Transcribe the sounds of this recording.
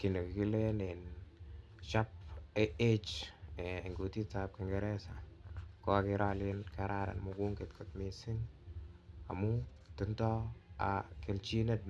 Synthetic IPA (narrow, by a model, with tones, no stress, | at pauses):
ki˨ne˨kki˦le˦ne˨n | ʃa˦p̚e˦e˦t͡ʃe˨ŋɡu˨ti˦ta˨p̚kɪ˨ŋɡɛ˨ɾɛ˦sa˨kɔ˦a˨kɪ˧ɾa˦lɪ˦nka˨ɾʔa˦ɾa̰˨nmʊku˦ŋkɪ˨tkʰʊ˨tmɪ˨sɪ˦ŋ | a˨mu˦ | tɪ˨˦ntɔ˦a̰˨kɪ˨lt͡ʃi˦ne˦t̚